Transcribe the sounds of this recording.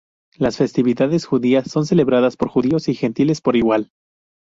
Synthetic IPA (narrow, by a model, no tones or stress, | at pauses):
lasfe̞st̪iβiðaðesxuðiasːo̞ns̬e̞le̞βɾaðaspo̞ɾxuðio̞sixe̞nt̪ile̞spo̞ɾiɣwal